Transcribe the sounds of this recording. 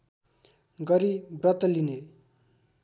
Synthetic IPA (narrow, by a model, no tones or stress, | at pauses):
ɡʌɾibrʌt̪ːʌline